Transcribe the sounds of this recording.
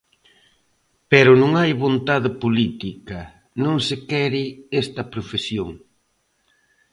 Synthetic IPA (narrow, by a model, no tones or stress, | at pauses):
peɾʊnõŋajβont̪aðɪpolit̪ikɐ | nõŋsɪkɛɾɪest̪ɐpɾofesjoŋ